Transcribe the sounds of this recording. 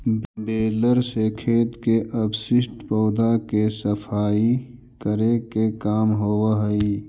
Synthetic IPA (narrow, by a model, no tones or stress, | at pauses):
ɖeːləɾsekʰeːt̪keʔɐbsɪsʈpɔːd̪akesəfʰaːi | kəɾekekaːmɦoːwaɦəiː